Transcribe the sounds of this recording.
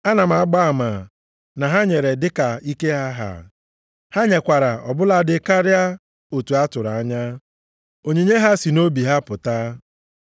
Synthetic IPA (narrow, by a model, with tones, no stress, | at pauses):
a˦na˨m̩˨a˨˦ɡ͡ba˦a˨ma˨ | na˨ɦa˦ɲe˨ɾe˨dɪ˦ka˨i˦ke˦ɦa˦ɦa̰˨ | ha˦ɲe˨kʷa˨ɾa˨ɔ˨bʊ˦la˦˨dɪ˨ka˦ɾja˦ | o˨tu˨a˦tʊ˨ɾa˨a˦ɲa˦ | o˨ɲe˨ɲe˦ɦa˦si˨no˦bi˨ɦa˦pʊ˨ta˦